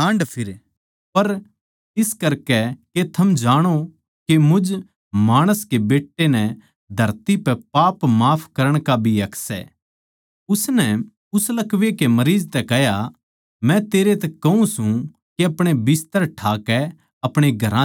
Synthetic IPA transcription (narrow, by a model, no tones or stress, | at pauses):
ãːɳɖpʰɪɾ | pɐɾ | ɪskɐɾkɛket̪ʰɐmd͡ʒaːɽ̃o | kemʊd͡ʒ | maːɽ̃əskebeːʈːenɛ̃ | d̪ʱɐɾt̪ipɛpaːpmaːpʰkɐɾəɽ̃kabʱiɐksɛ̰ | ʊsnɛ | ʊslɐkʋekemɐɾiːd͡ʒt̪ɛkɛɦja | mɛ̃t̪eːɾet̪ɛkɐũsũ | keɐpɽ̃ebɪst̪əɾʈʰaːkɛ | ɐpɽ̃eɡʱɐɾã